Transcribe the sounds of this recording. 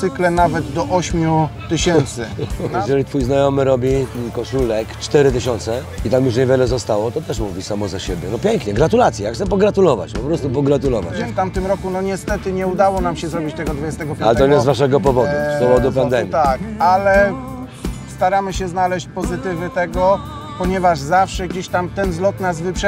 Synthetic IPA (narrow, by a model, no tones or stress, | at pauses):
sɘklɛnavɛd̪d̪ɔʔɔɕmʲjut̪ɘɕɛnt̪sɘjɛʒɛlʲit̪fujznajɔmɘɾɔbʲikɔʂulɛkt͡ʂt̪ɛɾɘt̪ɘɕɔnt̪sɛit̪amjuʂ̬ɲɛvʲjɛlɛzɔst̪awɔt̪ɔt̪ɛʂmuvʲisamɔzaɕebʲjɛnɔpʲjɛŋkɲɛɡɾat̪ulat̪sjijaxt̪sɛpɔɡɾat̪ulɔva̰t͡ɕpɔpɾɔst̪upɔɡɾat̪ulɔva̰t͡ɕɛft̪amt̪ɘmɾɔkunɔɲɛst̪ɛt̪ɘɲɛud̪awɔnamɕɛzɾɔbʲit͡ɕt̪ɛɡɔd̪vud͡ʑɛst̪ɛɡɔpʲjalɛt̪ɔɲɛzvaʂ̬ɛɡɔpɔvɔd̪uspɔvɔd̪upand̪ɛmmʲjit̪akalɛ | st̪aɾamɘɕɛznalɛɕt͡ɕpɔzɘt̪ɘvɘt̪ɛɡɔ | pɔɲɛvaʐzafʂɛɡd͡ʑeɕt̪amt̪ɛnzlɔt̪nazvɘpʂɛ